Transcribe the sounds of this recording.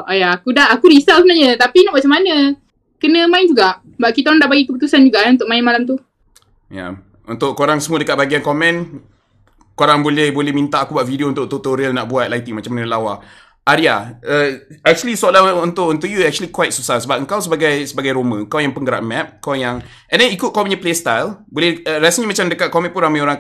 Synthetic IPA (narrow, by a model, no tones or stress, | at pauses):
ʔajaːkudaakuɾisalsbənaɲət̪apinaʔmat͡ʃamanə | kənə̃maɪnd͡ʒuɡaʔ | baʔ̚kit̪aɾaŋdaʔbaɡikəput̪usand͡ʒuɡaʔaũnt̪ʊʔ̚maɪnmalamt̪u | ja̰ | unt̪ʊʔkoɾaŋsəmuadəkat̪̚baɡiankomɛ̃n | koɾaŋbolɛhbolɛhmint̪aakubaʔfidiount̪ʊʔ̚t̪ot̪oɾilnaʔbuat̪̚lait̪iŋmat͡ʃamanəlawa | ʔaɾiaəɛk̚t͡ʃuəlisalaunt̪ʊʔunt̪uʔjuɛk̚t͡ʃuəlikwajt̪̚susasəbap̚əŋkawsəbaɡajsəbaɡajɾomə̃əŋkawjaŋpəŋɡəɾa̰ʔ̚mɛp̚kawjaŋ | ɛ̃ndɛnikʊt̪̚kawmĩɲaplest̪ajlbolɛhəɾasəɲimat͡ʃamdəkat̪̚kɔmɛ̃npunɾamãjoɾaŋ